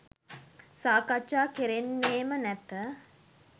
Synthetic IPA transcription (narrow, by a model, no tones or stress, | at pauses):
saːkat͡ʃːaːkeɾenːeːmənɛt̪ə